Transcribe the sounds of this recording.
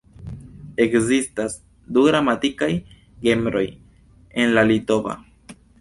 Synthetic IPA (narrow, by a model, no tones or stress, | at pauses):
e̞kzistas | duɡɾamatikaj | ɡe̞mbɾo̞j | e̞nlalito̞va̰